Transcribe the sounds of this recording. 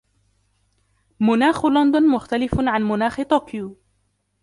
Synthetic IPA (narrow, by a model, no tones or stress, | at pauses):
mʊnaːxlʊnd̪ʊnmʊxt̪alɪfʕanmʊnaːxt̪oːkjuː